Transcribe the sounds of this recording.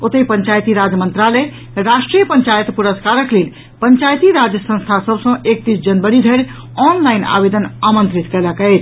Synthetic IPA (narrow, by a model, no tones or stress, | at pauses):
ot̪əjpəɲt͡ʃajt̪iɾad͡ʒjəmənt̪ɾalə | ɾasʈɾijəpəɲt͡ʃajət̪puɾəskaɾəklel | pəɲt͡ʃajt̪iɾad͡ʒjəsə̃st̪ʰasəbsə̃ʔek̚t̪isd͡ʒənbəɽid̪ʱəɾ | ɔnlaina̰bed̪ənamənt̪ɾit̪kɛləkɛjt̪ʰ